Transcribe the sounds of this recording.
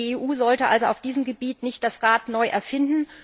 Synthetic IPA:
eʔuːzɔltəʔa̰lzoaʊfd̥iːzəmɡəbiːtnɪçt̚d̥asʁaːtnɔʏʔɛɐfɪndn̩

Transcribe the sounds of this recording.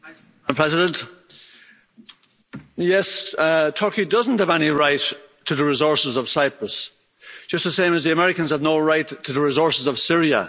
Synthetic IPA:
mpʰɹ̥ɛzɪdə̃nt | jɛstʰɔɹkidʌzn̩thəvɛñiɹaɪtʰ | əðəɹɪzɔɹsɪzəv̥saɪpɹəs | d̥ʒ̥ʌst̪̚ðəsẽɪ̃məzðiəmɛɹɪkə̃nz̥əvnoʊɹaɪtʰəðəɹɪzɔɹsɪzəv̥sɪɹiə̰

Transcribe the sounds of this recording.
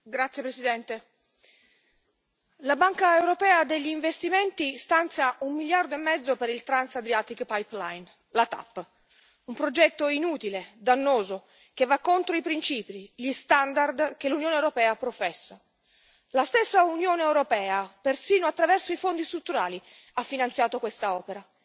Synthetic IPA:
ɡɾat̪sjepɾesid̪ɛnt̪e | labaŋkaewɾopɛːad̪eʎːiːɱvest̪imɛnt̪ist̪ant̪sjaʔumːiljard̪oemːɛd̪zːopeɾilt̪ɾansad̪ɾjaːt̪ikpajplajn | lat̪a̰pː | umpɾod͡ʒɛt̪ːoinuːt̪iled̪anːoːzo | kevːakːont̪ɾoipɾint͡ʃiːpiʎist̪and̪ard̪k̟elunjoːnewɾopɛːapɾofɛsːa | last̪esːaunjoːneewɾopɛːapersiːnoat̪ːɾavɛrsoifond̪ist̪ɾut̪ːuɾaːli | afːinant̪sjaːt̪okwest̪aɔːpeɾa

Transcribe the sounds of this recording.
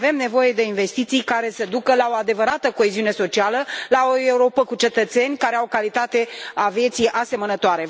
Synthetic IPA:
ve̞mne̞vo̞je̞d̪e̞inve̞st̪it̪sijkaɾe̞səd̪ukəlao̞ad̪e̞vəɾat̪əko̞e̞ziune̞so̞t͡ʃialəlao̞e̞uɾo̞pəkut͡ʃe̞t̪ət̪se̞nʲkaɾe̞awkalit̪at̪e̞avje̞t̪sijʔase̞mənət̪oaɾe̞

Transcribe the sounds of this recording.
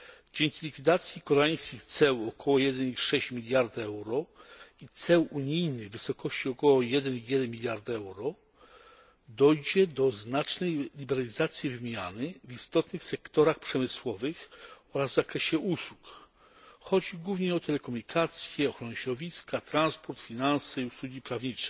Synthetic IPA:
d͡ʑeŋkʲilʲikfʲid̪at̪sʲjikɔɾaj̃skʲixt̪sɛwɔkʰɔwɔjɛd̪ɛniʂɛɕt͡ɕmʲilʲjaɾd̪ɛwɾɔit̪sɛwuɲijnɘɣvɘsɔkʰɔɕt͡ɕiɔkɔwɔjɛd̪ɛnijɛd̪ɛnmʲilʲjaɾd̪ɛwɾɔ | d̪ɔjd͡ʑɛd̪ɔznat͡ʂnɛjlʲibɛɾalʲizat̪sʲjivɘmʲjanɘvist̪ɔt̪nɘxsɛkt̪ɔɾaxpʂɛmɘswɔvɘxɔɾazvzakɾɛɕɛʔuswu̥k | xɔd͡ʑiɡwuvɲɛɔt̪ʰɛlɛkɔmuɲikʰat̪sʲjɛɔxɾɔnɛɕd̪ɔvʲiskat̪ɾanspɔɾt̪fʲinansɛiuswuɡʲipɾavɲit͡ʂɛ̥

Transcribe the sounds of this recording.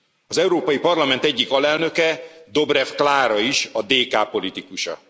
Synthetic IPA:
ɒzɛuɾoːpɒjipɒrlɒmɛnt̪ɛɟːikɒlɛlnø̞kɛd̪o̞brɛfklaːɾɒiʃɒd̪eːkaːpo̞lit̪ikuʃɒ̰

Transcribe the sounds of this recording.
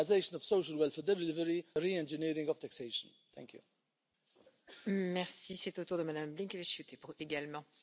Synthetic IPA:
ɪzeɪʃə̃nɔv̥soʊʃəlwɛlˠfɛdɛllɪvəɹiɾiɛ̃nd͡ʒɪniɾɪ̃ŋɔv̥t̪ʰakseɪʃə̃n | θʰæ̰̃ŋkʰjṵ | mɛʁsiset̪ot̪uʁd̪əmad̪amblĩŋkəveʃut̪epueɡalmɑ̃

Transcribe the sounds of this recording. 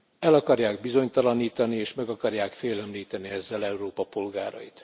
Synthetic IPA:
ɛlɒkɒrjaːɡ̚bizo̞ɲt̪ɒlɒniːt̪ɒnieːʃmɛɡɒkɒrjaːkfeːlɛmliːt̪ɛniɛzːɛlɛuɾoːpɒpo̞lɡaːɾɒ̰jḭt̪

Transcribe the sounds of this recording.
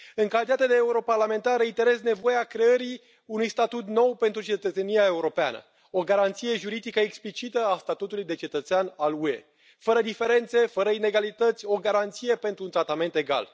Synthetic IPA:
ɨŋkalit̪at̪ed̪eːuɾo̞parlame̞nt̪aɾəit̪e̞ɾe̞sne̞vo̞jeakɾe̞əɾi | unujst̪at̪ut̪no̞wpe̞nt̪ɾut͡ʃe̞t̪ət̪se̞nijae̞uɾo̞pea̰nə̰ | o̞ɡaɾant̪sije̞ʒuɾid̪ikəeksplit͡ʃit̪əast̪at̪ut̪ulujd̪e̞t͡ʃe̞t̪ət̪seanalue̞̰ | fəɾəd̪ife̞ɾe̞nt̪se̞fəɾəine̞ɡalit̪ət̪sʲo̞ɡaɾant̪sije̞pe̞nt̪ɾunt̪ɾat̪ame̞nt̪e̞ɡa̰l

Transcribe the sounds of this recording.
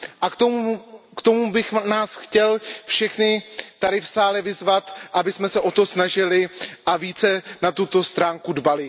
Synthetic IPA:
ʔat̪okt̪omubɪxnaːsxcɛlfʃɛxnɪt̪aɾɪfsaːlɛvɪzvat̪ʔabɪsmɛsɛʔo̞t̪o̞snaʒɪlɪʔaviːt͡sɛnat̪ut̪o̞st̪ɾaːŋkudbalɪ

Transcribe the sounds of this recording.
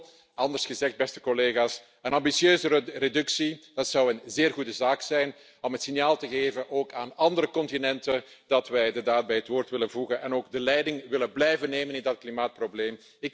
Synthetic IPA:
ɑndərsxəzɛxd̚bɛstə̥kɔleːɣaːs | ənɑmbisjøːzəredʏksid̥ɑtsɑwənzeːrɣudəzaːksɛjn | ɔmətsɪnjaːlˠtəɣeːvənʔoːkaːnɑndəɾəkɔntinɛntən | d̥ɑtʋɛjdədaːd̚bɛjɦətwoːrtʋɪlənvuɣənʔɛnoːɡ̚dəlɛjdɪŋʋɪlənblɛjvəneːmənɪndɑt̚klimaːt̚probleːm | ɪk

